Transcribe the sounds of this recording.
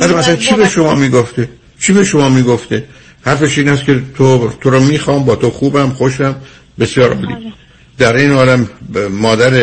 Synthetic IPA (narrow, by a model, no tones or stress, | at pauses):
bæd̪æmæsælænt͡ʃʰibe̞ʃo̞mɒːmiːɡoft̪e | t͡ʃʰiːbe̞ʃo̞mɒːmiːɡoft̪e | hæɾfeʃiːnæskʰʲe̞t̪ʰot̪ʰoɾɒmiːxɒːmbɒːt̪ʰoxuːbæmxoʃæm | be̞sijɒːɾɒ̰ːlḭ | d̪æɾeːnhɒːlæmmɒːd̪æɾe